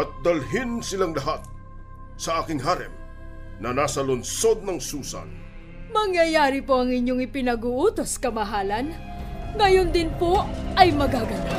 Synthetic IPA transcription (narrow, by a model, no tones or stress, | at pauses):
ɐt̪̚d̪ɐlɦɪnsɪlaŋlɐɦat̪̚ | sɐʔaːkɪŋɦaɾɛ̰m̚ | nɐnasɐlonso̞d̪̚nɐŋsuːsɐ̰n | mɐŋjɐjaːɾɪpoʔɐŋɪɲjoŋɪpɪnɐɡuːʔuːt̪o̞skɐmɐɦaːlɐn | ŋɐjond̪ɪnpoʔɐjmɐɡaːɡɐna